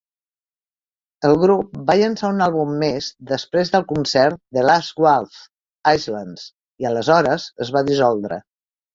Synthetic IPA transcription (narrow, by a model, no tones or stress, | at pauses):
əlˠɣɾup̚baʎənsaunalˠβumːezd̪əspɾezðəlˠkunsɛɾt̪̚d̪əlazɡwalf | ajzlans | iələzɔɾəzəzβaðizɔlˠd̪ɾə̰